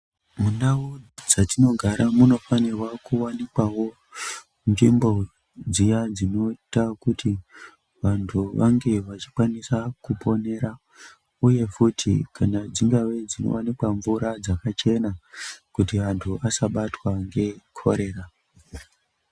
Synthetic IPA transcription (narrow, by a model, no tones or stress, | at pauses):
munaod͡zatino̞ɡʱaɾamuno̞fanirwakuwanikwawo̞ | nd͡ʒimbo̞ | d͡zijad͡zino̞itakuti | ʋantʰuʋaŋɡe̞ʋat͡ʃi̥kwanisakupʰo̞ne̞ɾa | uje̞futʰḭkʰanad͡ziŋɡawe̞d͡zino̞̰wanikwaɱvuɾad͡zakat͡ʃe̞nakutiʋantʰuasaɓatwaŋɡe̞kʰo̞̰ɾe̞ːra